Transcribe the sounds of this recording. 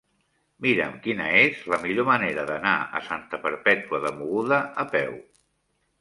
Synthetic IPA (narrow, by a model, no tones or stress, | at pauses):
miɾə̰mkinəezləmiʎoməneɾəðəna̰ə̰sant̪əpəɾpɛt̪uəðəmuɣuðəəpɛw